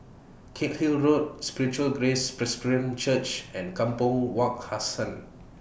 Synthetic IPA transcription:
kʰet̚hilɹot̚spiɹit͡ʃuəlɡɹespɹɛskɹĩmt͡ʃət͡ʃɛ̃nkãmpə̃lwɔk̚hasə̃n

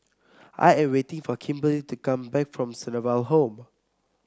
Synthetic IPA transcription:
ʔa̰jɛ̃mwetɪ̃ŋfɔkʰĩmbəlitukãmbɛkfɹɔ̃msɛnəvalɦõm

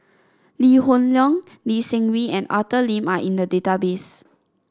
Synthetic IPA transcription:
lihõnlɔ̃ŋ | lisɛ̃ŋwiɛ̃na̰təlĩmaʔĩndədetabes

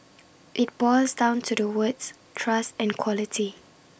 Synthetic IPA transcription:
ʔɪt̚bɔlsdãʊ̃ntʰudəwɪts | tʰɹastɛ̃nkʰwɔlitʰi

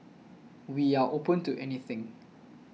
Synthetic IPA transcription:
wiaʔopə̃ntuʔɛniθɪ̃ŋ

